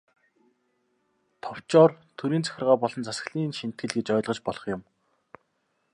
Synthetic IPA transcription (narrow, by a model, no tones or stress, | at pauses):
t̪ʰɔw̥t͡ɕɔːrt̪ʰɵɾiːnt͡sæ̥xʲɪ̆rʁaːpɔɮɞ̆nt͡sʰasə̥̆ɣɮiːnʃin̥t̪̚ɡɘ̆ɮɡet͡ɕœːɮʁɞ̆t͡ɕpɔɮɞ̆χjʊm